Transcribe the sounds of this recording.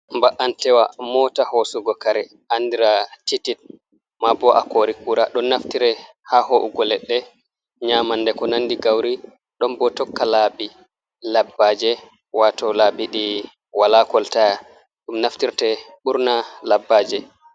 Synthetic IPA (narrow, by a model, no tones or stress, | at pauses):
mbaʔantɛwamɔtahosuɡɔkaɾɛ | andiɾatitit̚ | mabɔʔa̰koɾikuɾaɗɔnːaftiɾɛ | hahoʔuɡɔlɛɗːɛ | ɲaːmanːdɛkɔnanːdiɡawɾi | ɗɔmbɔtɔkːalaːbi | labːad͡ʒɛ | watɔlabiɗi | walakɔltaja | ɗumnaftiɾtɛ | ɓuɾnalabːad͡ʒɛ